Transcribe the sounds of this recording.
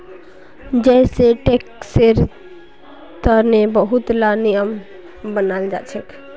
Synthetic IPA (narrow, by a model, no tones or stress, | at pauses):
d͡ʒɛɪseʈekseɾ | t̪əɾnebəɦut̪lanijəm | bənald͡ʒa̰t͡ʃʰɛk